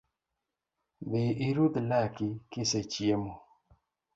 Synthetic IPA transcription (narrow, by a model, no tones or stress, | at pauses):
bɪʔɪɾud̪lakɪkɪset͡ʃjemo